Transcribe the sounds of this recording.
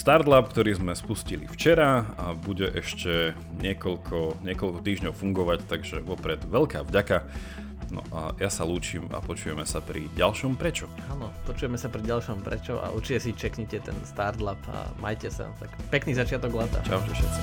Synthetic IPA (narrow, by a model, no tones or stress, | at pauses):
st̪aɾt̪lapkt̪ɔɾiːzmɛspuscilḭft͡ʃɛɾaabuɟɛʔɛʃcɛ | ɲɪɛkɔʎkʰɔɲɪɛkɔlkɔt̪iːʒɲɔʊfuŋɡɔʋact̪aɡʒɛʋɔpɾɛd̪ʋɛlkaːvɟaka | nɔ̰ʔa̰jasaluːt͡ʃiːma̰pɔt͡ʃujɛmɛsapɾḭɟalʃɔmpɾɛt͡ʃɔ | anɔpɔt͡ʃujɛmɛsapɾiɟalʃɔmpɾɛ̰t͡ʃɔʔa̰ʔṵɾt͡ʃicɛsit͡ʃɛkɲɛcɛt̪ɛ̰nst̪aɾd̪lapa̰ma̰jcɛsa̰t̪akpɛkniːzat͡ʃɪat̪ɔɡlat̪a̰t͡ʃa̰ʊcɛʃɛ̰t͡si